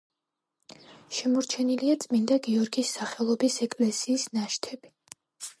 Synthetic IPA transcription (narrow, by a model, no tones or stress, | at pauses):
ʃɛmɔɾt͡ʃʰɛniliat̪sʼmind̪aɡiɔɾɡisːaχɛlˠɔbisɛkʼlɛsiːsnaʃt̪ʰɛbi